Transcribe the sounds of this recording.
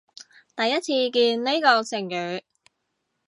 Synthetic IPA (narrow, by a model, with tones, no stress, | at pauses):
t̪ɐ˨jːɐ˥t̚t͡sʰiː˧kiː˧nne˥kɔː˧sʰɪ˨˩ŋjyː˨˧